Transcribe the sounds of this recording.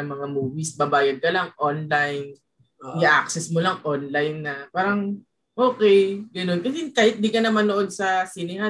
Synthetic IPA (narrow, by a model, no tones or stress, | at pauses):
ɐmɐŋamuːvisbɐbaːjɐd̪̚kɐlaŋʔonlajn | ɡɐʔak̚sɛsmolɐŋʔonlajnːɐpaːɾɐŋ | ʔo̞ːkɛjɡɐno̞nkɐsɛkaːhɪt̪̚nd̪ikɐnɐmɐnoʔo̞d̪̚sɐsɪnɪha